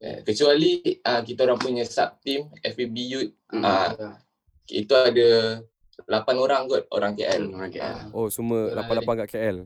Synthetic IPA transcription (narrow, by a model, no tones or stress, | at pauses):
a̰kət͡ʃualiakit̪aoɾaŋpuɲasa̰p̚t̪imɛfibijut̪̚ʔa | ḭt̪uada | lapanoɾaŋɡɔt̪̚o̰ɾaŋkeʔɛ̰la̰osuməlapanlapaŋkaʔkeɛl